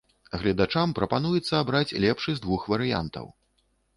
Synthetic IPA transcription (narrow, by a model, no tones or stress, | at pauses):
ɣlʲɐd̪at͡ʂampɾɐpan̪ujɛt̪sːɐːbɾat͡sʲlʲɛpʂɨzd̪vuxvɐɾɨja̰nt̪ɐ̰w